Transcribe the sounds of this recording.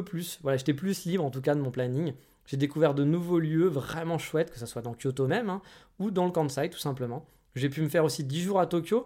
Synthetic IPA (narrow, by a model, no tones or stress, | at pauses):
plysvwalaʒet̪ɛplyslibʁɑ̃t̪uk̬ad̪əmɔ̃planiŋ | ʒ̥ed̪ekuvɛʁd̪ənuvoljøvʁɛmɑ̃ʃwɛt̪kə̥saswad̪ɑ̃kʲjot̪omɛmɛ̃ | ud̪ɑ̃ləkɑ̃d̪sajd̪t̪ːu̥sɛ̃pləmɑ̃ | ʒepyməfɛʁosid̪iʒuʁat̪ɔkʲjo